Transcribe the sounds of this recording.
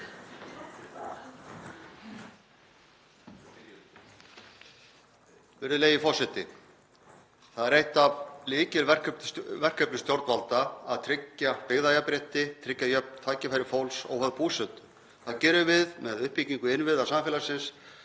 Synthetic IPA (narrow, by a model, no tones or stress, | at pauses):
vɛɾðʏleːjɪfɔr̥sɛt̪ɪ̰ | θaðɾejht̪avliːcɪlvɛr̥kʰœp̪vɛr̥kʰœpnɪst̪jowɾt̪valt̪aaðt̪ʰɾɪcːapɪɣðajapɾeht̪ɪt̪ʰɾɪcːajœp̚nt̪ʰaːjcɪfajɾɪfowlsɔ̰ɣhœðpuːsœt̪ʏ | θaðcɛːɾʏvɪðmɛðʏhpiciŋkʏɪnvɪðasamfɪːlasɪns